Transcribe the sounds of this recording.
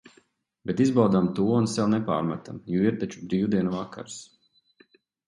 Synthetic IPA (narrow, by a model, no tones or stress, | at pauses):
bet̪izbawd̪amt̪uɔunsɛwnɛpa̰ːɾmat̪amjuiɾt̪at͡ʃubɾiwd̪iɛnuvakʰːa̰ɾs